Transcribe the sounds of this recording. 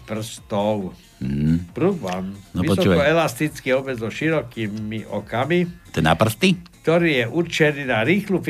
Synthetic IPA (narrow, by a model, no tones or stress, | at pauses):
pr̩st̪ɔʊ | pɾubanʋiɔsɔkɔɛlast̪it͡skiɔbɛzɔʃiɾɔkiːmiʔɔkamit̪ɛna̰pr̩st̪ikt̪ɔɾiːjɛʔuɾt͡ʃɛniːnaɾiːxluf